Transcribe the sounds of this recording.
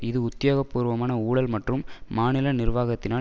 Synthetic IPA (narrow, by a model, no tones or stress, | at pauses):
ɪðɯʊt̪ːɪjoːɣɐpːuːɾʋɐmaːnɐuːɽɐlmɐʈrɯmːaːnɪlɐnɪrʋaːɣɐt̪ːɪnaː